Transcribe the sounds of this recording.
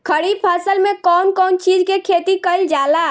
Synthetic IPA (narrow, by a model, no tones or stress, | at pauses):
kʰəɽipʰasəlmẽkɔnkɔːnt͡ʃid͡ʒkekʰet̪ikəɪld͡ʒala